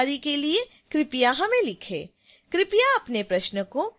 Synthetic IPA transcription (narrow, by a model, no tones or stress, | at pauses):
ɾikelie | kɾɪpijaɦɐmẽlɪkʰḛː | kɾɪpijaɐpnepɾɐʃnəko